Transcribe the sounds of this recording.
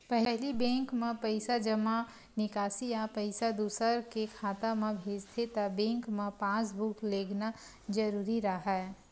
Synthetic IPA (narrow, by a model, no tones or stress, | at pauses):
pɛɦɦlibẽːŋkmẽpəɪsad͡ʒəma | nɪkaːsijapəɪsad̪uːsəɾkekʰaːt̪amẽbʱeːd͡ʒt̪ʰet̪abẽːŋkmẽpãːsbʱukleːɡna | d͡ʒəɾuːɾiɾəɦɛ